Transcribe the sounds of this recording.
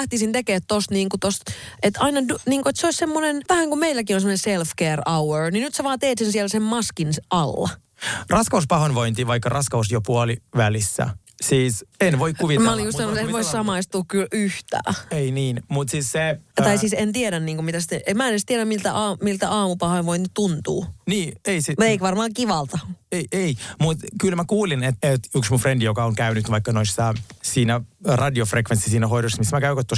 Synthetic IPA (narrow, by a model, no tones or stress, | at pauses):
æht̪isint̪ekeːt̪tost̪niːŋkut̪ost̪et̪ɑinɑdniːŋkoet̪seoissemːonenʋæhæŋkumeilːækionsemːoneselfkeːrɑweɹninyt̪seʋɑːt̪eːt̪sensiɛlsemmɑskinsʔɑlːɑ̰ | rɑskɑuspɑhonʋoint̪iːʋɑikːɑrɑskɑusjopuɑliʋælisːæ̰ | siːsenʋoikkuʋimæolijussɑnot̪enʋoissɑmɑist̪uːkkylyht̪æ̰ːeiniːnmut̪siːsset̪ɑisiːsent̪ieɾænniːŋkomit̪æst̪ːeʔemmæenest̪ieɾæmmilt̪æʔɑːmilt̪æʔɑːmupɑhɑiʋoinytt̪unt̪ṵːniːeisimut̪eikʋɑrmɑːkiʋɑlt̪ɑeiʔeimut̪kylmækuːlinet̪et̪yksmufrendijokɑoŋkæynyt̪ʋɑikːɑnoisːɑsiːnærɑdiofrekʋensisiːnæɦoidosːɑmismækæykot̪ːos